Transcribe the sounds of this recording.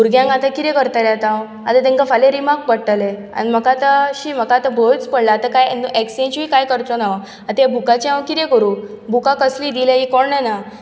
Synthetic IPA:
uɾɡjãŋɡat̪ãkit̪ɛkəɾt̪aljat̪ãw | at̪at̪ɛ̃ŋkafaleɾimak̚bəɽʈːalea̰nim̤əkat̪əɕiːm̤əkat̪əbʱət͡spəɽlaːt̪akajnuʔeksẽnt͡ɕuikajkəɾt̪ɔna | at̪bʱukat͡ɕiãwkit̪ẽkəɾuː | bʱukãkəsliːd̪ilẽɦikɔɽɳena

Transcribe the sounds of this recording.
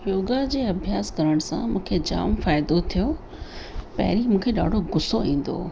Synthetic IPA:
joːɡad͡ʑeːɐbʱjaːskɐɾəɽ̃ʊsã̰mũːkʰed͡ʑa̰ːmfaːɪd̪ot̪ʰijo | pɐ̰ɦɪɾimũːkʰeɗa̰ːɖʱoɡʊsoĩːn̆d̪o̰ː

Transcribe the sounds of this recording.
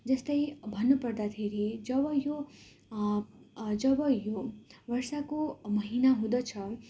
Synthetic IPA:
d͡zʌst̪ʌjbʱʌnːupʌrd̪at̪ʰeɾid͡zʌbʌjo | d͡zʌbʌjoʋʌrsakomʌɦinaɦũd̪ʌt͡sʰʌ

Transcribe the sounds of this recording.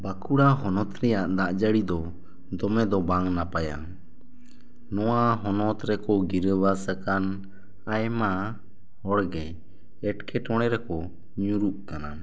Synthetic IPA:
bakuɽaɦɔnɔt̪ɾɛjaʔd̪aʔd͡ʒəɽid̪ɔ | d̪ɔmɛd̪ɔbaŋnapaja̰ | nɔwaɦɔnɔt̪ɾɛkɔɡiɾəbasəkan | ajma | hɔɽɡɛ | ɛʈkʰɛʈɔɽ̃ɛɾɛkɔ | ɲuɾuʔkana

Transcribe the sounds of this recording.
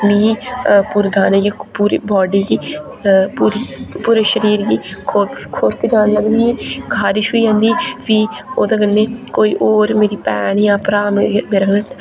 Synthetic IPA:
mĩːpuːɾd̪aːneːjaːpuːɾḭːbɔːɖiːɡiː | puːɾiːpuːɾeːʃəɾiːɾɡiːkʰokʰoɾkd͡ʒaːnləɡd̪iːɛ̃ːɡʰʱaːɾɪʃɦoiːãːnd̪iːʋiː | oːd̪aːɡənːeːkoːiːʔoːɾmeːɾiːpɛːnjãːpɾaːmmeːɾaɡʈ

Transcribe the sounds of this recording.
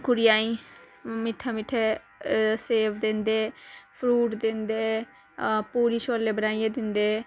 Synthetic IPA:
kʊɾɪjaːĩː | mɪʈʰːaːmɪʈʰe | seːbd̪ɪnd̪eːpʰɾuːʈd̪ɪnd̪eː | puːɾiːʃoːlːeːbənaːijẽːd̪ɪnd̪eː

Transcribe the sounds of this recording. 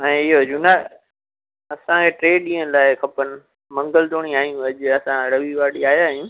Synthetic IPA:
ɛ̃ːɪɦoɐd͡ʑũna | ɐsãeʈɾeːɗĩːə̃nlaːɪkʰɐpənɪ̆ | mɐ̃ŋɡəlt̪oːɽ̃iaːɦij̃ũɐʄɐsãɾɐʋiʋaːɗiaːɦjaːɦijũ

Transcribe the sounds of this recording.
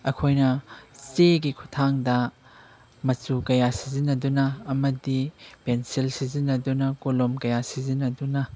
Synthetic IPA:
ɐkʰojnɐseɡikʰu̥tʰaŋdɐ | mɐt͡ʃukɐjasizinːɐdunɐːmɐdipensilsizinːɐdunɐkolomkɐjasizinɐdunɐ

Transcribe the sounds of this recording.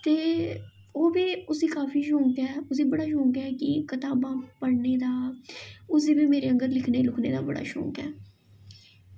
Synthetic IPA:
t̪eː | oːbiːʊsiːkaːfʰiːʃõːŋkɛːʊs̬iːbəɽaːʃ̬õːkɛːkɪkət̪aːbãːpəɽneːd̪aː | ʊs̬iːbiːmeːɾeːəŋɡəɾlɪkʰneːlʊkʰnḛːd̪aːbəɽa̰ːʃõ̰ːŋkɛ̰ː

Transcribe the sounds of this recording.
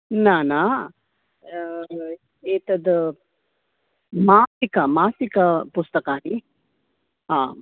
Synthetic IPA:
nana | eːt̪ɐd̪ | maːsikamaːsikapʊst̪əkani | ɦãː

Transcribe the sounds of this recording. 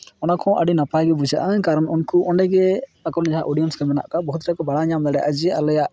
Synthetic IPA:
ɔnakʰɔ̃ʔa̰ɖinapajɡɛbud͡ʒa̰ʔakaɾɔnunkuʔɔɳɖɛɡɛakɔnɛd͡ʒaɦaʔoɖijɔnskɛmɛna̰ʔkabɔɦut̪ɾakɔbaɽaɲamd̪aɽɛja̰ʔad͡ʒɛalɔjaʔ

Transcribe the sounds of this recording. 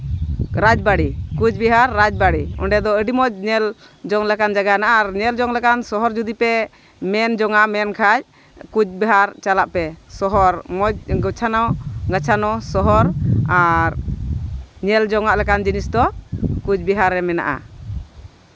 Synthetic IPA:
ɾad͡ʒbaɽikud͡ʒbɛɦaɾːad͡ʒbaɽiɔ̰ɳɖɛd̪ɔəɖimɔd͡ʒ̚ɲɛl | d͡ʒɔŋlɛkand͡ʒaɡanaʔaɾɲɛld͡ʒɔŋlɛkansɔɦɔɾd͡ʒud̪ipɛ | mɛnd͡ʒɔŋamɛnkʰad͡ʒ̚ | kud͡ʒbɛɦaɾt͡ʃalaʔpɛsɔɦɔɾmɔd͡ʒ̚ɡɔt͡ʃʰanawɡat͡ʃʰanɔsɔɦɔɾaɾ | ɲɛld͡ʒɔŋaʔlɛkand͡ʒinisd̪ɔkud͡ʒbɛɦaɾɛmɛna̰ʔa̰

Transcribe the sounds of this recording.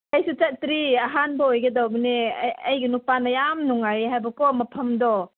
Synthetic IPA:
ɐjsut͡ʃɐt̚ɾiaɦanbɐojɡɐdawbɐneɐjɡinupanɐjamnuŋaɾiɦajbɐkɔmɐpʰɐmdɔ

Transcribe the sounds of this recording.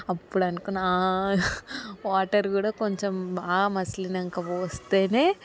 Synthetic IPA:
ɐpːuɽɐnkunːa | ʋaːʈːɐɾkuːɽaːkoɲt͡ʃɐmbaːɡɐmɐslinɐŋkɐʋoːst̪eːneː

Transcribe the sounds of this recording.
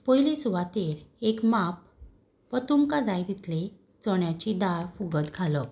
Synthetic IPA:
pɔjlisuʋat̪eɾekmap̚ | pət̪umkãd͡zajd̪it̪le | t͡sɔɽjat͡ɕid̪aɾfuɡəd̪ɡʰalə

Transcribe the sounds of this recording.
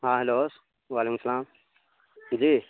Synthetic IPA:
ɦãːɦeloːs | ʋaːleːkumsɐlaːm | d͡ʒiː

